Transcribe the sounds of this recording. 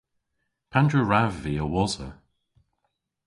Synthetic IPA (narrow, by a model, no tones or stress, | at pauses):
pʰandɹuɹavːiəwɔzə̰